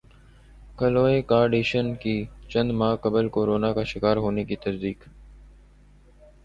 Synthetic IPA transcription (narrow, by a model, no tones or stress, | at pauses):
kəloːeːkaːɾɖeːʃənkiːt͡ʃə̃nd̪mãːkəbəlkoːɾoːnaːkaːʃɪkaːɾɦoːneːkiːt̪əsd̪iːk